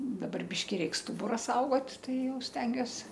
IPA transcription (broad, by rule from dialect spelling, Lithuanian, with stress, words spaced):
dɐˈbɐr ˈbʲɪʃʲkʲɪ ˈrʲɛɪk ˈstʊbʊrɐ ˈsɐʊɡoːt ˈtɐɪ ˈjɛʊ ˈsʲtʲɛŋʲɡʲuɔs